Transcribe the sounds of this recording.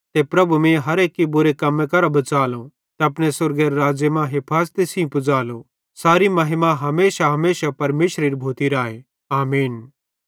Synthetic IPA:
t̪epɾɐbʱumẽɦɐɾeːkːibʊɾekɐmːẽkɐɾabɐt͡saːlõ | t̪eɐpɽ̃esʊɾɡeɾɾaːd͡ʒjemãɦepʰaːst̪esĩpʊd͡zaːlo | saːɾimɐɦɪmãɦɐmeːsaɦɐmeːsapɐɾmeːʃɾeːɾibʱoːt̪iɾaːe | aːmiːn

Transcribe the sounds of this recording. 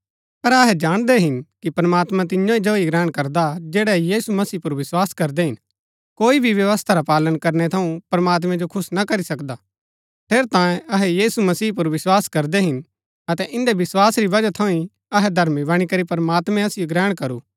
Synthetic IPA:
pɐɾɐɦɛd͡ʒaːɽ̃d̪ɛɦɪnkipɾɐmaːt̪mãt̪̬ɪ̃ɲjõid͡ʒoːiɡɾɛːɽ̃kɐɾd̪ad͡ʒɛːɽɛjiːsumɐsiːpʊɾʋɪswaːskɐɾd̪ɛɦɪn | koːibʱiʋjɐʋəst̪ʰaɾapaːlənkɐɾnɛt̪ʰɐũpɾɐmaːt̪̬mɛ̃d͡ʒokʰʊsnakɐɾisɐkd̪a | pʰeːɾt̪ãːjẽɐɦɛjiːsumɐsiːp̬ʊɾʋɪswaːskɐɾd̪ɛɦɪn | ɐt̪ɛʔɪ̃nd̪eʋɪswaːsɾiʋɐd͡ʒat̪ʰɐ̃ĩ | ɐɦɛd̪ʱɐɾmibɐɽ̃ikɐɾipɾɐmaːt̪mɛ̃ɐsɪjoɡɾɛːɽ̃kɐɾuː

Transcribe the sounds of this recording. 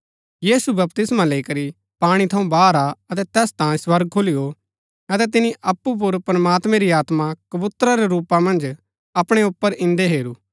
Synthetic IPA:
jiːsubɐp̚t̪ɪsmãleikɐɾi | paːɽ̃it̪ʰɐũbaːɾaɐt̪ɛt̪ɛːst̪ãːĩswɐɾɡ̚kʰolijo | ɐt̪ɛt̪̬ɪniʔɐpːup̬ʊɾpɾɐmaːt̪mɛ̃ɾiaːt̪mãkɐbʊt̪ɾaɾeɾuːpamɐ̃nd͡ʒ | ɐpɽ̃eʊpːəɾɪ̃nd̪eɦeːɾuː

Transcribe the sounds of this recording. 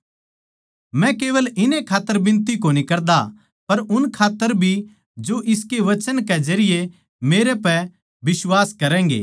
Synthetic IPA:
mɛ̃keːʋəlɪnẽkʰaːt̪ːəɾbɪ̃nt̪ikonikɐɾd̪a | pɐɾʊnkʰaːt̪ːəɾbʱi | d͡ʒoʔɪskeʋɐt͡ʃənked͡ʒɐɾɪje | meːɾepɛ | bɪswaːskɐɾɛ̃ːŋ̆ɡḛː

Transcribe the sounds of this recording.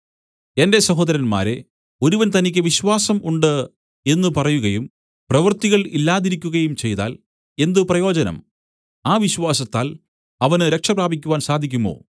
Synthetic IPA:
e̞nde̞sɐɦo̞ːd̪ɐɾɐnma̰ːɾe̞ | o̞ɾuʋɐnt̪ɐnikʲːɨʋiɕʋaːsɐmuɳɖɨ | e̞nːɨpɐrɐjuɣɐjum | prɐʋɐrt̪iɣɐɭilːaːðiɾikʲːuɣɐjumt͡ɕe̞jt̪a̰ːl | e̞nd̪ɨprɐjo̞ːd͡ʑɐnɐ̰m | aːʋiɕʋaːsɐt̪ːaːl | ɐʋɐnɨɾe̞kʂɐpraːbʱikʲːuʋaːnsaːd̪ʱik̬ʲːumo̞̰ː

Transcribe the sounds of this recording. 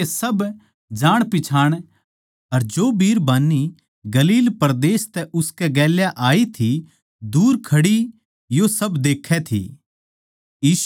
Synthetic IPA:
esɐb | d͡ʒaːɽ̃pɪt͡ʃʰaːɽ̃ | ɐɾd͡ʒoːbiːɾbaːnːi | ɡɐliːlpɐɾd̪eːst̪ɛʔʊskɛɡɛːljaʔaːit̪ʰi | d̪uːɾkʰɐɽi | josɐbd̪eːkʰɛt̪ʰḭ | jiːʃ

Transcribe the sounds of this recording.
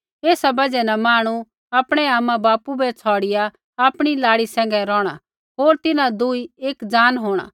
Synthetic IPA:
eːsabɐd͡ʒɛnamaːɽ̃u | ɐpɽ̃ɛaːmãbaːpubɛt͡sʰɔːɽɪjaː | pɽ̃ilaːɽisɛ̃ːŋɡɛɾɔːɽ̃a | ɦoːɾt̪ɪnãd̪uieːkd͡zaːnɦoːɽ̃a̰ː

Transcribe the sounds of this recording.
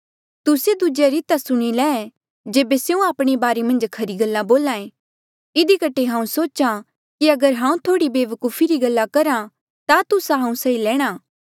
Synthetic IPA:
t̪ʊsed̪ʊd͡ʒeɾɪt̪asʊɽ̃ilɛː | d͡ʒeːbesjeũaːpɽ̃ebaːɾemɐ̃nd͡ʒkʰɐɾiɡɐlːãboːlãːẽ | ɪd̪ikɐʈːeɦãːũsoːt͡ʃã | kiɐɡəɾɦãːũt̪ʰoːɽibeːʋəkuːpʰiɾiɡɐlːakɐɾã | t̪at̪ʊsaɦãːũsɐilɛːɽ̃aː

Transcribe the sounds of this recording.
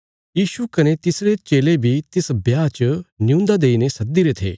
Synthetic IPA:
jiːʃukɐnet̪ɪsɾet͡ʃeːlebʱit̪ɪsbjaːt͡ʃənɪjũːnd̪ad̪eːinesɐd̪iɾet̪ʰḛː

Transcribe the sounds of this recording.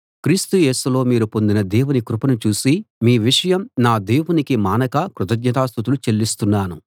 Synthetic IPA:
kɾiːst̪uje̞ːsulo̞ːmiːɾupo̞nd̪inɐd̪ɛːwunikɾupɐnut͡ʃuːsimiːʋiʂɐjɐmnaːd̪eːwunikimaːnɐkɐkɾut̪ɐɡɲɐt̪aːst̪ut̪̬ulut͡ʃe̞lːist̪unːaːnu

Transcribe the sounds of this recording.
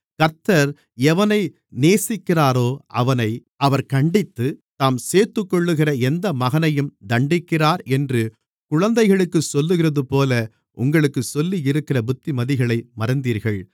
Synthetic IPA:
kɐɾt̪ːɐɾ | ɛʋɐnɐɪ | neːsɪkːɪraːɾoːʔɐʋɐnɐɪʔɐʋɐɾkɐɳɖɪt̪ːɯt̪aːmseːɾt̪ːɯkːɔɭːɯɣɪrɐɛnd̪ɐmɐɣɐnɐjɯmd̪ɐɳɖɪkːɪraːɾɛndrɯ | kʊɻɐnd̪ɐɪɣɐɭɯkːɯsɔlːɯɣɪrɐðɯpoːlɐ | ʔʊ̰ŋɡɐɭɯkːɯsɔlːijɪɾɯkːɪrɐbʊt̪ːimɐðɪɣɐɭɐɪmɐɾɐnd̪iːɾɣɐɭ

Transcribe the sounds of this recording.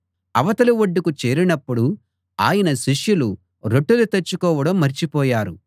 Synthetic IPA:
ɐʋɐt̪ɐluʋoɖːikut͡ʃe̞ːɾinɐpːuɽu | a̰ːjɐnɐʃiʂjulu | ɾoʈːulut̪ɐt͡ʃːukɔːʋɐɽɐmːɐɾt͡ʃipɔːjaːɾu

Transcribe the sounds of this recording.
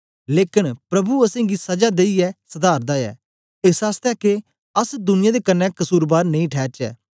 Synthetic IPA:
leːkɪnpɾɐbuɐsẽːɡisɐd͡ʒaːd̪eiɛːsəd̪aːɾd̪aːɛ̰ː | ɪsaːst̪ɛːke | əsd̪ʊnɪjãːd̪eːkənːɛ̃kəsuːɾbaːɾnɐ̃ĩːʈʰɛːt͡ʃɛ̰ː

